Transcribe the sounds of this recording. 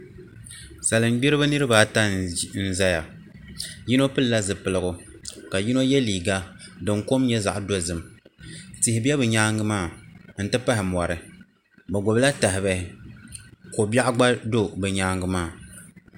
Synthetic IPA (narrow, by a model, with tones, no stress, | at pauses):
sa˨lɨ˨m˦ɡ͡bi˦ɾɨ˦bɨ˦nɨ˦ɾɨ˦baː˨˦ta˦n̩˦za˦ja˨ | ji˦no˦pɨ˦lla˦zɨ˨pɨ˨lɨ˨ɡʊ˨ | ka˨ji˦no˦jɛ˦liː˨ɡa˦dɨ˨ŋko˦m˦ɲɛ˦za̰˨ʔdo˦zɨ˨m | tɪ˨hɪ˨bi˦ɛ˦bɨ˨ɲaː˦ŋɡɨ˦maː˦˨n̩˦tɨ˦pa˦ɦɪ˨m˨a˨ɾɨ˨ | bɛ˨ɡo˨bɨ˦la˦ta˨ɦɪ˨bɛ˦hɪ˦ | ko˨ba˦ʔɡ͡ba˦do˦bɨ˨ɲaː˦ŋɡɨ˦maː˦˨